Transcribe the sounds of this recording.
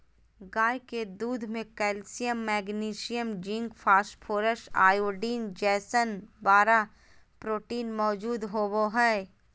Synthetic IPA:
ɡaːjked̪uːd̪ʱmẽkɛːlsijəmːɛːɡniːʃɪjəmd͡ʒɪ̃ŋɡfʰaːsʈpʰoːɾəʃa̰ːjoːɖiːnd͡ʒɛːsənbaːɾa | pɾoːʈiːnmɔːd͡ʒuːd̪ɦoboɦɛː

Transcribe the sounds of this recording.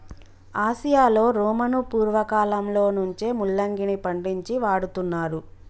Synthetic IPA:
aːsijaːlo̞ːɾuːmɐnupuːɾʋɐkaːlɐmlo̞ːnuɲt͡ʃe̞ːmulːɐŋɡinipɐɳɖiɲt͡ʃiʋaːɽut̪unːaːɾu

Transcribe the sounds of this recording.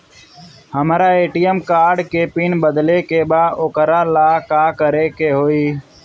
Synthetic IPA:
həmɾaːeːʈijəmkaːɾɖkeːpiːnbəd̪lekebaːokəɾaːlaːkaːkəɾeːkeːɦoːiː

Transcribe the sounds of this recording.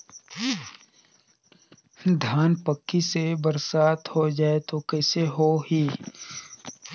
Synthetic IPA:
d̪ʱjaːnpəkːisebəɾsaːt̪hod͡ʒaːet̪okɛːseɦoɦiː

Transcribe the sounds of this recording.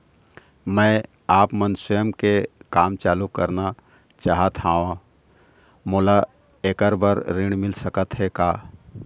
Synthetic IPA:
mɛ̃ | aːpmənsʊjəmkekaːmt͡ʃaːlukəɾna | t͡ʃaːɦət̪ɦaːʋã | moːla | eːkəɾbəɾɾɪɽ̃mɪlsəkət̪ɦɛkaː

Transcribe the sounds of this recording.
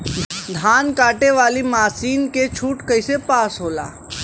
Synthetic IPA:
d̪ʱaːnkaːʈeʋaːlimaːsiːnket͡ʃʰuːʈkəɪsepaːsɦoːla̰ː

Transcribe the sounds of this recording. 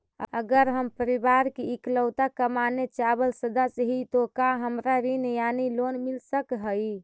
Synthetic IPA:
əəɡəɾɦəmpəɾibaɾkiːkləʊt̪akəmanet͡ʃabəlsəd̪asəɦit̪okaɦəmɾaɾinejanilonmilsəkɦəi

